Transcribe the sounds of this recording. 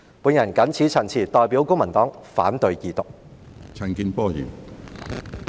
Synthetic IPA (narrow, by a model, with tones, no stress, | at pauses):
puː˨˧njɐ˨˩nkɐ˨˥nt͡sʰiː˨˥t͡sʰɐ˨˩nt͡sʰiː˨˩t̪ɔː˧jpiː˨˥wkʊ˥ŋmɐ˨˩nt̪ɔː˨˥ŋfa̰ː˨˥nt̪ɵ˧ɥkiː˨˧t̪ʊ˨k̚ | t͡sʰɐ˨˩nkiː˧npɔː˥˧jy̰ː˨˩n